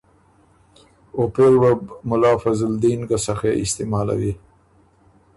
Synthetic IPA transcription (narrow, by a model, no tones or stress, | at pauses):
opeɾwabmʊlɑfazld̪inɡasaxeɪst̪emɑːla̰wi